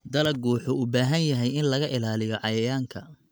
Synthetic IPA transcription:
d̪ɐlɐɡuːħʊʊbaːɦɐnjɐɦɛjɪnlɐɣɐʔɪlaːlɪjɔʕɑjɐjaːŋkʰɐ

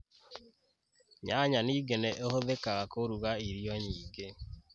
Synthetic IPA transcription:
ɲaɲaniːɡenɛʔohoðekaɣakoɾuɣaiɾjɔɲiːɡe

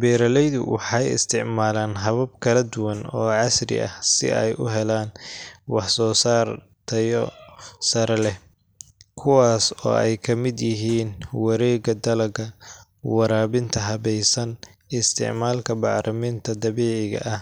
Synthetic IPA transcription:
bɛːɾɐlɛjðʊwɑ̰ħɑjɪ̰st̪ʰɪʕmaːlaːnɦɐβɐb̚kʰɐlɐd̪ʊwɐnɔːʕɑsrɪ̰ʔɐ̰hsɪ̰ʔɛ̰jʔʊɦɛlaːnwɑħsɔːsaːr | t̪ʰɐjɔsɐɾɛlɛ | kʰʊwaːsɔ̰ːɛjkʰɐmɪd̪jɪɦiːnwɐɾɛːɡɐd̪ɐlɐɡɐ | wɑɾaːβɪnt̪ʰɐɦɐβɛjsɐnɪst̪ʰɪ̰ʕmaːlkʰɐbɑʕɾʔɐmint̪ʰɐd̪ɐβiːʕɪɣɐ̰ʔɐh

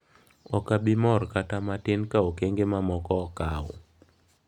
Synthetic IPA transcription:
ɔkabɪmɔrkatamatɪnkaokeŋɡemamɔkɔkawʊ

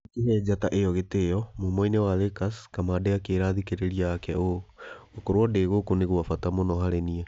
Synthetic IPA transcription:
kehɛd͡ʑataʔejɔɣetejɔmomɔinewaðekaskamadeakeɾaðikeɾeɾiaːkɛookoɾwɔdeːɣokoneɣuafatamonɔhaɾeniɛ

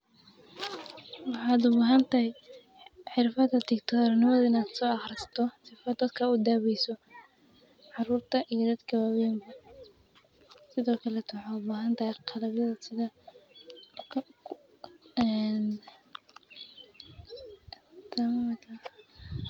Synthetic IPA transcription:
wɑħaːd̪ʊbaːɦɐnt̪ʰɐhɛ | ħɪrfɐd̪ɐt̪ɪkt̪ʰɔrnɪmɔðɪnaːd̪sɔːɑχrɪst̪ʰɔsɪfɐd̪ɐd̪kʰɐʊd̪aːβɛjsɔ | ʕɑruːrt̪ʰɐʔijɔd̪ɐd̪kʰɐwɐwiːmbɐ | sɪðɔːkʰɐlɛt̪ʰwħɑːd̪baːɦɐnt̪ʰɐhɛjqʰɑlɐbjɐðɐsɪðɐ | ɛn | t̪ʰɐmt̪ʰɐ

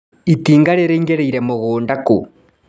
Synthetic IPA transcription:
itiːŋɡaɾeɾeŋɡeɾeiɾɛmoɣoːndako̰

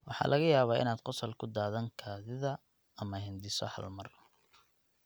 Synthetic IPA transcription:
wɑħɑ̰ːlʔɐɣɐjaːβaːɪ̰naːd̪qɔsɐlkʰʊd̪aːðɐŋkʰaːðɪðɐ | ɐmɐɦɛnd̪ɪsɔhɐ̰lmɐr

